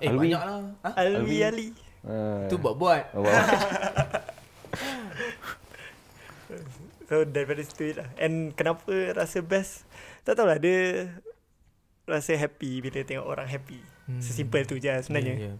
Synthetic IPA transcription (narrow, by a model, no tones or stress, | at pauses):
ebiɲaʔlaalwiali | ubuaʔbuat̪̚ | sodɛt̚pɛdəst̪uit̪̚lahɛ̃nkənapəɾasəbɛst̪aʔt̪awladə | rasəɦɛpibilət̪ɛŋɔ̰ʔo̰ɾaŋɦɛpisəsimpəlt̪ud͡ʒasəbənaɲa